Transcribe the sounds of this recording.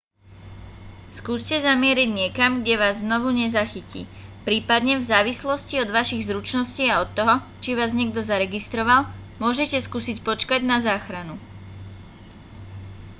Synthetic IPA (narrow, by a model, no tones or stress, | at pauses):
skuːscɛzamɪɛɾiɟɲɪɛkamɡɟɛʋaːzːnɔʋuɲɛzaxicḭː | pɾiːpad̪ɲɛvzaːʋislɔsciɔd̪ʋaʃiɣzɾut͡ʃnɔsciːaɔt̪ːɔɦɔ | t͡ʃiʋaːzɲɛɡd̪ɔzaɾɛɡist̪ɾɔʋalmʊɔʒɛcɛskuːsicpɔt͡ʃkaɟnazaːxɾanu